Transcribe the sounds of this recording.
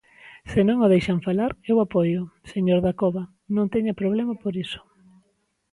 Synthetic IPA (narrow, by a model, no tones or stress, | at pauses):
senõŋoðejʃaɱfalaɾewapojʊseɲoɾðakoβa | nõŋt̪ɛɲapɾoβ̞lemapoɾisʊ̥